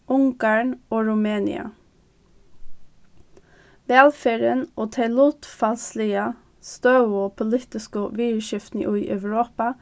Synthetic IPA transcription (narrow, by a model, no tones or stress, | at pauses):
ʔʊŋɡɑːɳoːɹʊmeːnɪ̰ɑ̰ | ʋɛlfæːɹənʔoːt̪ʰɛɪluːt̪fɑlslɪə | st̪ɑʉoːpʰʊliːt̪ɪskəʋiːʃɪft̪nɪʔʉiːʔœʋɹoːpɑ